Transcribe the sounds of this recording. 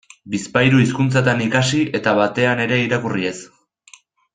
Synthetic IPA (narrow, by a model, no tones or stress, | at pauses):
bispajɾuiskunt͡sat̪anikasiʔe̞t̪aβat̪e̞ane̞ɾe̞iɾakurie̞s